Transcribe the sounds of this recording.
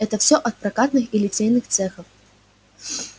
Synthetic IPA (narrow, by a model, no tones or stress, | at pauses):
ɛt̪ɐwsʲɔʔɐt̪̚pɾakat̪nɨxilʲɪt͡sʲejnɨxt̪sɛxɐf